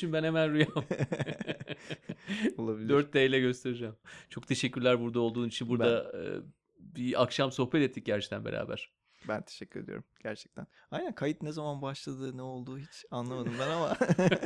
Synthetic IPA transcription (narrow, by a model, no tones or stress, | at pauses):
inbænhemænɾujam | olˠabilʲd̪øɾt̪̚d̪eːjlʲɛɟø̞st̪ʰe̞ɾid͡ʒæmt͡ʃʰo̞k̚t̪ʰe̞ʃɛcːyɾlʲæɾbuɾd̪ao̞lˠd̪uːnit͡ʃʰinbuɾd̪a̰ | biakʃamso̞xbɛt̪ɛt̪ːic̚ɟæɾt͡ʃʰɛ̥kt̪ʰænbeɾʔa̰ːbæ̰ɾ̥ | bænt̪ʰe̥ʃɛcʰʲːyɾed̪ijo̰ɾumɟ̥æɾt͡ʃʰɛ̥k̚t̪ʰæn | ajnænkʰajit̪nezamanbaʃlˠad̪ɯnɛo̞lˠd̪uːɦit͡ʃanlˠamad̪ɯmmbænama